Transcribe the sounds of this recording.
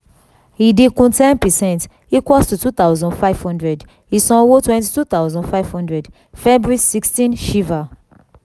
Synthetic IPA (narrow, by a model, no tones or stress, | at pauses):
hidekɔ̃ntɛ̃npɛsɛ̃nt | ikwɔtutut̪aʊzɔ̃nfaɪv̥hɔ̃ndɹɛd | hisɔ̃wotwɛ̃ntitut̪aʊzɔ̃nfaɪv̥hɔ̃ndɹɛd | fɛbɹisikstĩnʃiva